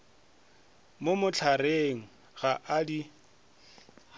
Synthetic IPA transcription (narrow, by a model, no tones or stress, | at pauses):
momʊt͡ɬʰareŋ̩ | ɣaʔadi